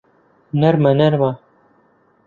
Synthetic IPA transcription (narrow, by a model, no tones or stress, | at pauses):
nɐɾmɐnɐɾmɐ